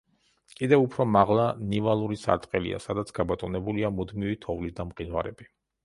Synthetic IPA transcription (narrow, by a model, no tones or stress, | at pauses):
kʼid̪ɛvupʰɾɔmaʁlˠanivalˠuɾisa̰ɾt̪ʼqʼɛlḭa̰sad̪at̪sʰɡ̥abɔt̪ʼɔnɛbuliamud̪mivit̪ʰɔvlid̪amqʼinvaɾɛ̰bi